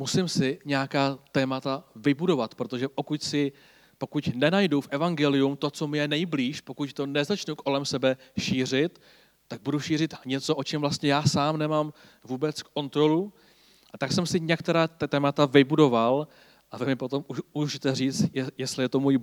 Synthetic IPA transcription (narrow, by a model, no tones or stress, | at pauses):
musɪmsɪɲɛjakaːt̪ɛːmat̪avɪbudo̞vat̪pɾo̞t̪o̞ʒɛpo̞kucsɪ | po̞kucnɛnajdufʔɛvaŋɡɛlɪjumt̪o̞t͡so̞mɪjɛnɛjbliːʃpo̞kuct̪o̞nɛzat͡ʃnuko̞lɛmsɛbɛʃiːr̝ɪt̪ː | aɡ̚buduʃiːrɪt̪ɲɛt͡so̞ʔot͡ʃɛmvlast̪ɲɛjaːsaːmnɛmaːm | vuːbɛt͡skːo̞nt̪ɾo̞lu | ʔat̪aksɛmsɪɲɛkt̪ɛɾaːɛːmat̪avɪbudo̞val | ʔavɛmɪpo̞t̪o̞muʃuʒɪt̪ɛriːt͡st̪jɛst̪lɪjɛt̪o̞muːj